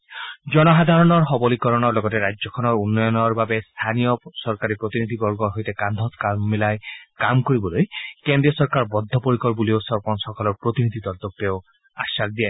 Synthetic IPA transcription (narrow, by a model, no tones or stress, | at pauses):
d͡ʒɔnɔɦad̪ʱaɹɔnɔɹxɔbɔlikɔɹɔnɔɹlɔɡɔtɛɾajzɔkʰɔnɔɹunːɔjɔnɔɹbabest̪ʰanijɔsɔɹkaɾipɹot̪inid̪ʱibɔɹɡɔɹɦojtekand̪ʱɔt̪kammilajkamkoɹibɔlojkendɹijɔsɔɹkaɹbɔd̪ʱːɔpoɹikɔɹbuliosɔɹpɔnsɔkalɔɹpɹot̪inid̪ʱit̪ɔɹt̪ɔk̚teʊ | asak̚d̪ija